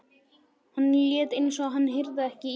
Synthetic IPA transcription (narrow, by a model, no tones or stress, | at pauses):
hanːljɛːt̪ɪnːsɔɦanːɦɪɾðaɛhcɪ